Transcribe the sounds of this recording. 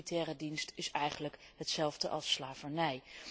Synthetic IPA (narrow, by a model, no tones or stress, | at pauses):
itɛːrədinstɪsɛjχənləkɦətsɛlˠvdəʔɑ̰lˠslaːvənɛj